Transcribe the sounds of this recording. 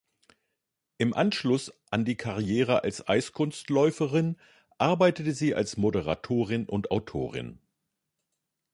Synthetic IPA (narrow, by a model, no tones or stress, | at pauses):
ʔɪmʔanʃlʊsʔandiːkʰaʁijeːʁəʔa̰lsʔa̰ɪskʰʊnstlɔʏfəʁɪn | ʔaɐbaɪtətəziːʔa̰lsmodəʁa̰tʰoːʁ̞ɪnʔʊntaʊtʰo̰ːʁ̞ɪ̰n